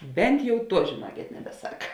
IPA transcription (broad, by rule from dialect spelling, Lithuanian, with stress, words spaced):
ˈbʲɛnt jɛʊ ˈtuɔ ʒʲeːˈnuɔkʲeːt nʲɛbʲɛˈsɐk